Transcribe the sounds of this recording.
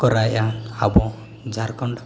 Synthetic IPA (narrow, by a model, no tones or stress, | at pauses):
kɔɾajana̰bɔ̃ | d͡ʒʱaɾkɔɳɖ